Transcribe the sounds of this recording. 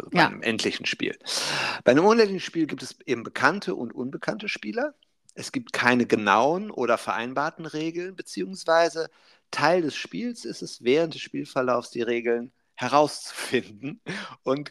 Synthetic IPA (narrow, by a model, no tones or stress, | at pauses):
ʔazo̰baɪ̰nə̰mʔɛ̰ntʰlɪçn̩ʃpḭːlb̥aɪnəmʔʊnɛlɪçn̩ʃpiːlɡiːp̚tɛsʔeːbm̩bəkʰantʰəʔʊ̰ntʔʊnbəkʰantəʃpiːlɐ | ʔɛsɡ̥iːp̚tkʰaɪnəɡəna̰ʊənʔo̰ːɾɐfɛɐʔa̰ɪnbaːɐtn̩ʁeːɡl̩nbət͡siːʊŋsv̥aɪzə | tʰaɪldɛsʃpiːlsɪstɛsv̥ɛːʁ̞əntd̥ɛsʃpiːlfɛɐlaʊfsd̥iːʁeːɡl̩n | hɛʁaʊst͡su̥fɪndn̩ʔʊnt